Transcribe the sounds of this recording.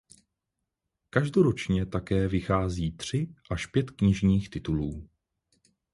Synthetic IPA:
kaʒdoɾot͡ʃɲɛt̪akɛːvɪxaːziːt̪r̝̥ɪʔaʃpjɛt̪kɲɪʒɲiːxt̪ɪt̪uluː

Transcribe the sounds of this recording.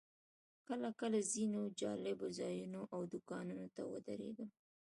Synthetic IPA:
kəlakəlazinod͡ʒɑ̰lɪbozɑjunoʔawd̪ʊkɑnunot̪awə̰d̪a̰ɾḛɡ̪əm

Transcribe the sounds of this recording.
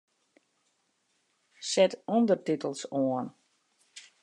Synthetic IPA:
sɛtɔndərtitəlˠsoən

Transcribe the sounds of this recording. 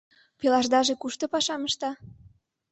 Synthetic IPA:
pelɑʒd̪ɑʒekuʃt̪ŏpɑʃɑməʃt̪ɑ

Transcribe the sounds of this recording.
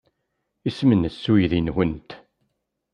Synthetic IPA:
ismənsːujðinwənt̪

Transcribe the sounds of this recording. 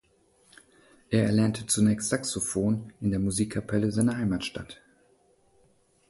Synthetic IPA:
ʔeːɐɛɐlɛɐntʰət͡sunɛːçstz̥aksofoːnʔɪndeːɐmuziːkʰːapʰɛləzaɪnɐhaɪmaːtʃta̰t

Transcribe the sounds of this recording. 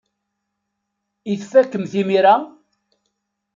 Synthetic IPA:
iθfːækːəmθimiɾa

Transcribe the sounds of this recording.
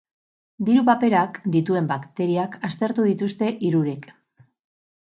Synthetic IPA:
d̪iɾupape̞ɾakd̪it̪ue̞mbakt̪e̞ɾiakast̪e̞ɾt̪uðit̪ust̪e̞ʔiɾuɾek

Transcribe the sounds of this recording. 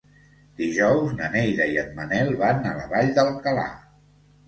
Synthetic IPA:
d̪iʒɔwznənejɾəiət̪̚mənɛlˠβanələ̰βaʎd̪əlkəla̰

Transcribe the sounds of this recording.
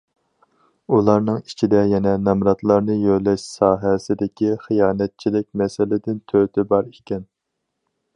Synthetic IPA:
ulˠɑɾnɨŋit͡ʃʰid̪ɛjɛnɛnɛmɾɑt̪lˠɑɾnɨjølɛʃsɑːɦɛsɪd̪ɪkʲiχijɑːnɛt̪̚t͡ʃʰilɪk̚ʲmɛsɪlɪd̪ɪnt̪ʰøt̪ʰɪbɑɾikʲːɛn

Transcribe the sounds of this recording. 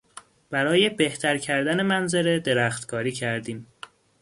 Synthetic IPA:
b̥æɾɒːje̞be̞ht̪ʰæɾcʰæɾd̪æne̞mænzeɾe̞d̪e̞ɾæxt̪kʰɒːɾiːcʰæɾd̪iːm

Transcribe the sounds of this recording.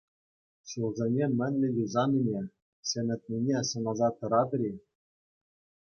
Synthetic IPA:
ɕulˠzʲenʲemʲɘ̆nʲlʲɘ̆jʲuzɑnʲinʲe | sʲenʲɘ̆t̪̚ʲnʲinʲesɤ̆nɑzɑt̪ːɤ̆ɾɑt̪ɾʲi

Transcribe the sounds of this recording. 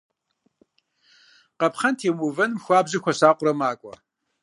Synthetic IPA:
qɐpχɐntʰeːwʊvɐnmxʷaːbʑɨxʷɐɕaːqʷʼʊɾɐmaːkʷʼɔ̰

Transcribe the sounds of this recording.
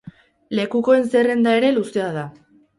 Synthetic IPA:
le̞kuko̞e̞nse̞re̞nd̪ae̞ɾe̞luseaða

